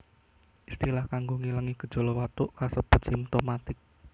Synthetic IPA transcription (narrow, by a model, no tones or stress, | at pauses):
ʔist̪ilahkaŋɡoŋilaŋiɡ̥ə̤d̥ʒ̥o̤lɔwat̪uʔkasəb̥ə̤t̪̚simt̪omat̪ɪk̚